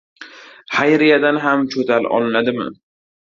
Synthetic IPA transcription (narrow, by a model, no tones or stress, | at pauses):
hajɾɪjad̪anɦamt͡ʃʰot̪ʰalɒ̰lˠɪnad̪ɪmɪ̰